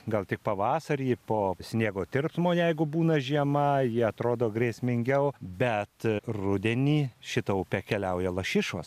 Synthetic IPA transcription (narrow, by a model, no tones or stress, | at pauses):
ɡɐlˠt̪ʲɪk̚pɐʋɑːsɐɾʲiːpoːsʲnʲiɛɡoːt̪ʲɪrpsmoːjɛɪɡʊbuːnɐʒʲiɛmɐjɪɛɐt̪ɾoːd̪oːɡɾʲiːsʲmʲɪŋʲɡʲɛʊbʲɛt̪rʊd̪ʲɛnʲiːʃʲɪt̪ɐʊpʲɛkʲɛlʲɛʊjɛlˠɐʃʲɪʃʋo̰s